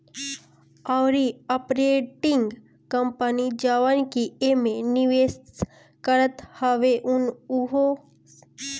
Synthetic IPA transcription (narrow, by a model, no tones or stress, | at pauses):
awɾiəpɾeːʈɪ̃ŋɡ | kəmpənid͡ʒaʋənkiemẽniʋeːs | kəɾət̪həʋeʔʊnuɦo